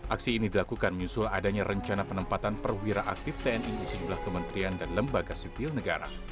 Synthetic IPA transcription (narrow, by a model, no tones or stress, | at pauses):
ʔaksiːnidilakukanməɲusʊladaɲaɾəɲt͡ʃanapənəmpat̪anpərwiɾaʔak̚t̪ɪft̪eɛniisəd͡ʒumlahkəmənt̪ɾiandanləmbaɡasipɪlnəɡaɾa̰